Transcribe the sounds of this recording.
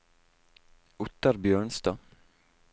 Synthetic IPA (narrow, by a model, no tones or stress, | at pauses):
ʊt̪ːaɾbjœːɳst̪ɑː